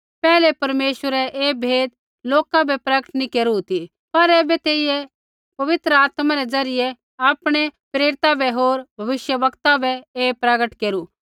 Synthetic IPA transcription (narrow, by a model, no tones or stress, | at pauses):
pɛːlɛpɐɾmeːʃʋəɾɛʔeːbʱeːd̪̚ | loːkãbɛpɾɐɡəʈnikeːɾuɦʊt̪i | pɐɾɛːbɛt̪eːɪje | pɐʋɪt̪ɾəaːt̪mãɾɛd͡zɐɾɪjɛ | aːpɽ̃epɾeːɾɪt̪abʱɛɦoːɾbʱɐʋɪʃjəʋɐkt̪abʱɛeːpɾɐɡəʈkeːɾu